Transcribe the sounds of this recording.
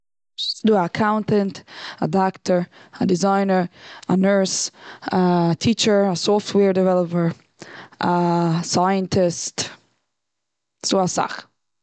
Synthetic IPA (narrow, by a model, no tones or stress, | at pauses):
duːakʰãʊntʰɛnta̰daktəɹadɪzaɪnəɹanɜːɹsatʰiːt͡ʃəɹasɔftʰwɛːɹdɛvɛlˠəpəɹ | asajəntʰɪst | soːasa̰χ